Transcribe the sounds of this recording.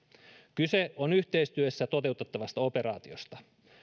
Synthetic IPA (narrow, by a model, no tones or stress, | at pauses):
kyseo̞nyçt̪e̞jst̪yøsːæt̪o̞t̪e̞wt̪et̪ːɑʋɑst̪ɑo̞pe̞ɾɑ̰ːt̪io̞̰st̪ɑ